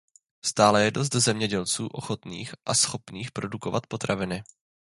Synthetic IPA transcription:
st̪aːlɛjɛdo̞s̬t̪zɛmɲɛɟɛlt͡suːʔo̞xot̪nḭːxʔasxo̞pniːxpɾo̞duko̞vat̪̚po̞t̪ɾavɪnɪ

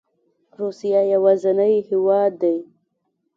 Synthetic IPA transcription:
ɾusijajawazanəjhɪwɑd̪ːaj

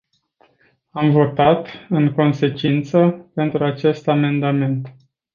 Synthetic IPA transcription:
amvo̞t̪at̪ɨŋko̞nse̞t͡ʃint̪səpe̞nt̪ɾuat͡ʃe̞st̪ame̞nd̪ame̞nt̪

